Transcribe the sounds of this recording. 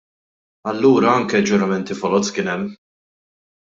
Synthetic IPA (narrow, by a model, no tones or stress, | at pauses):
ɐlːuːɾɐɐŋkɛd͡ʒʊɾɐmɛnt̪ifɔlɔt͡skɪːnɛmː